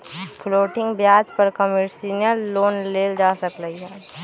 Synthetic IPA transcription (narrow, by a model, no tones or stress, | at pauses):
fʰloːʈɪ̃ŋɡbjaːd͡ʒpɐɾkəməɾsiːnjəlːoːnleːld͡ʒaːsəkləiɦɛː